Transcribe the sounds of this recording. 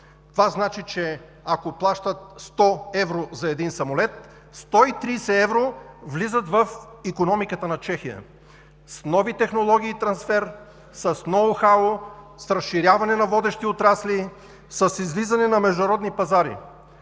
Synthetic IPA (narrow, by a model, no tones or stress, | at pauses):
t̪ovaznat͡ʃit͡ʃɛ | akoplˠaʃt̪ət̪st̪ɔɛvɾozɐɛd̪insɐmolɛt̪̚ | st̪ɔit̪ɾisɛɛvɾovlizət̪vɐfikonɔmikət̪ənɐt͡ʃɛxiə̰ | snɔvit̪ɛxnolˠɔɡʲiːt̪ɾɐnsfɛɾ | səsnɔvoxao | sɾɐsʃiɾʲjavɐnɛnɐvɔd̪ɛʃt̪iot̪ɾasli | səsizlizɐnɛnɐmɛʒd̪ʊnɐɾɔd̪nipɐzaɾḭ